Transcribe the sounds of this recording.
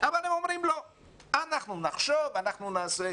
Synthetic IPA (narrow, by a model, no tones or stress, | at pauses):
ʔavalemo̞mɾimlo̞ | anaχnunaχʃovanaχnunaːse